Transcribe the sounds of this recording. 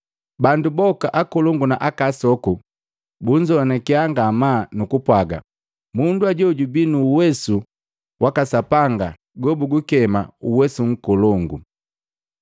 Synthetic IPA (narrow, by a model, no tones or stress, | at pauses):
bandubɔkaʔakɔlɔŋɡunaʔakasɔku | buɲd͡ʒɔnɛkiaŋɡamanukupwaɡa̰ | munduaɟɔɟubinuwɛsu | wʔakasapaŋɡa | ɡɔbuɡukɛmauwɛsuŋ̩kɔlɔŋɡṵ